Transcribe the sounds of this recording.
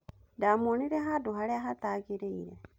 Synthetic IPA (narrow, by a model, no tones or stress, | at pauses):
damoniɾɛɦaduɦaɾeaɦataːɡeɾeiɾɛ